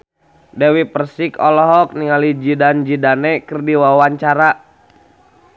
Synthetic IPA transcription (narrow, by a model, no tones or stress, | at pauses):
dɛwipərsikɔlɔɦɔk̚niŋalid͡ʒidand͡ʒidanɛkərdiwawaɲt͡ʃaɾa